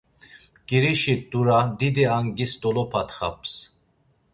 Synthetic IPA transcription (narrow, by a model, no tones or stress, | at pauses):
kiɾiʃit̪ʼuɾad̪id̪iaŋɡist̪ɔlɔpʰat̪χa̰p̚s